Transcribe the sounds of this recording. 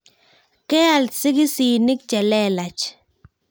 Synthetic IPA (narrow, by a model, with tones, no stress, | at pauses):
kɛ˦a˨lsi˦ki˦si˨ni˦k̚t͡ʃɛ˨lɛ˦la˨t͡ʃ